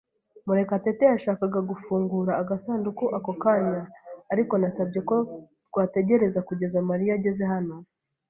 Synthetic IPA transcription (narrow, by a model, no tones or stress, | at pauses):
muɾe̞kate̞te̞jaʃaːkaɡaɡufuːŋɡuɾaːɡasaːndukuʔako̞kaɲaːɾiko̞nasabɟe̞ko̞twaːte̞ɟe̞ɾe̞zakuɟe̞zamaɾijaɟe̞ze̞ɦano̞